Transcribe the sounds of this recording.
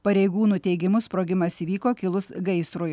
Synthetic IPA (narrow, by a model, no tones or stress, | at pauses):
pɐɾʲɛɪɡuːnuːt̪ʲɛɪɡʲɪmʊspɾoːɡʲɪmɐsiːʋʲiːkoːkʲɪlˠʊsɡɐɪst̪ɾoj